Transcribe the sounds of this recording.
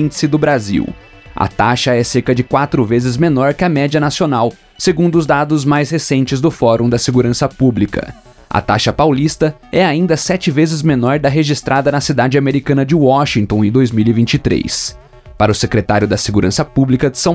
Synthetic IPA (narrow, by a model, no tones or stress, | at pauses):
sɪd̪ʊbɾazḭw | ɐ̰t̪aʃɐɛseɾkɐd͡ʒɪkwat̪ɾʊvezɪzmenɔɾkɪɐmɛd͡ʒiɐnasionaw | seɡũnd̪ʊzd̪ad̪ʊzmajshesẽnt͡ʃɪzd̪ʊfɔɾõd̪ɐseɡuɾɐ̃sɐpublikɐ̰ | ɐ̰t̪a̰ʃɐpawlist̪ɐɛaĩnd̪ɐsɛt͡ʃɪvezɪzmenɔɾd̪ɐɦeʒist̪ɾʔad̪ɐnɐsid̪ad͡ʒɪameɾikɐ̃nɐd͡ʒɪwɔʃĩŋt̪õw̃ɪ̃d̪ojzmiwivĩnt͡ʃɪt̪ɾḛjs | paɾɐʊsekɾet̪aɾjʊd̪ɐseɡuɾʔɐ̃sɐpublikɐd͡ʒɪsɐ̃w̃